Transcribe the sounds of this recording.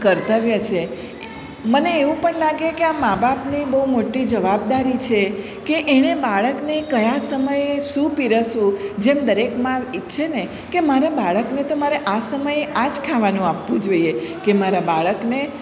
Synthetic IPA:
kəɾt̪əʋjat͡ʃʰe | məneːʋũpəɳlaɡekeamabapnibəumoʈid͡ʒəʋab̚d̪aɾit͡ʃʰe | keʔeɽ̃ebaɭəknekəjasəməjeʃũpiɾəsũd͡ʒemd̪əɾekmãʋiʃʰene | kemaɾabaɭəknet̪omaɾeʔasəməjeʔad͡ʒkʰaʋanũapʋũd͡ʒoiekemaɾabaɭəkne

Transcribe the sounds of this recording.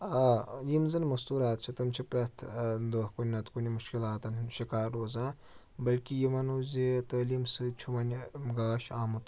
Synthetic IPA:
aːjimzɐnʲmɐst̪uːɾaːt̪̚t͡ʃʰit̪ɐmt͡ʃʰipɾɐt̪ʰd̪ohkunʲːɐt̪kunʲimuʃkilaːt̪ɐnnʃikaːɾːoːzaː | bɐlkijimɐnuzʲit̪əːlimsɨt͡ʃʰumɐnʲɡaːʃaːmut̪

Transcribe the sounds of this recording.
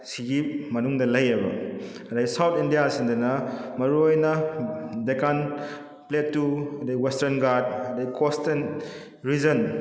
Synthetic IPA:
siɡimɐnuŋdɐlɐjebɐ̰ | ɐdɐɡisawtʰindijasindɐnɐmɐɾuojnɐdekan | pletːuɐdewestɐɾnɡaɾd̚ɐdɐikʰosten | ɾizɐn

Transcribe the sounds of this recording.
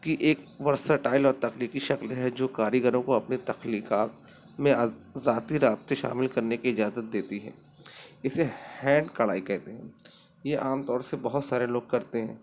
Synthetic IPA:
kiʔeːkʋɐɾsəʈaːɪlɔːɾt̪ɐxliːkiʃɐklɦɛd͡ʒoːkaːɾjiɡəɾõkoɐpnit̪ɐxliːkaːt̪ | mẽazaːt̪iɾaːb̚t̪eʃa̰ːmɪlkɐɾnekiɪd͡ʒaːzət̪̚d̪eːt̪iɦɛ̰̃ː | ɪsehɛ̃ːɳɖkɐɭaːikɛɦt̪eɦɛ̃ː | jeʔaːmt̪ɔːɾsebɐɦʊt̪saːɾeloːɡ̚kɐɾt̪eɦɛ̃ː

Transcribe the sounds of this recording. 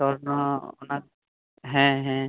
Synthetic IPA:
ɔɹnɔɔ̰nak̚ | ɦɛ̃ɦɛ̃

